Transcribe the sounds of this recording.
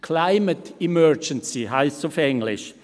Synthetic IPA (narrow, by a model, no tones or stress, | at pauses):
kʰlaɪmətimœɹd͡ʒənsiɦaɪssɔfɛŋlɪ̰ʃ